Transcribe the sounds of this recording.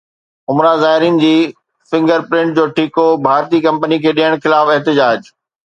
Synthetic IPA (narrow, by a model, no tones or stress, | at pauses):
ʊmɾazaːɦɪɾijənɪ̆d͡ʑiː | fɪ̃ŋɡəɾpɾɪ̃ɳʈ̚d͡ʑoːʈʰiːkobʱaːɾt̪ikɐ̃mpənikʰeːɗijəɽ̃xɪlaːfɛɦt̪ɪd͡ʑaːd͡ʑ